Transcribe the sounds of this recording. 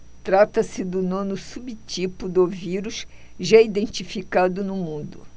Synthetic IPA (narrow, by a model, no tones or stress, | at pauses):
t̪ɾat̪ɐsɪd̪ʊnõnʊsubit͡ʃipʊd̪ʊviɾuʃ | ʒaid̪ẽnt͡ʃifikad̪ʊnʊmũd̪ʊ